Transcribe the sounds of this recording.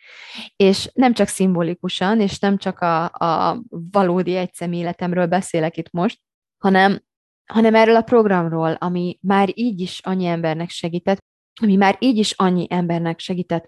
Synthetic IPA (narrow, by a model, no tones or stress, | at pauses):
eːʃnɛmt͡ʃɒksimbolikuʃɒneːʃnɛmt͡ʃɒkɒ̰ː | vɒloːd̪iɛc̚sɛmeːlɛt̪ɛmrøːlbɛseːlɛkit̪mo̞ʃt̪̚ | hɒnɛm | hɒnɛmɛrːøːlɒpro̞ɡrɒmroːlɒmimaːɾiːɟiʃɒɲːiɛmbɛrnɛkʃɛɡiːt̪ɛt̪ | ɒmimaːɾiːɟiʃɒɲːiʔɛmbɛrnɛkʃɛɡiːt̪ɛt̪ː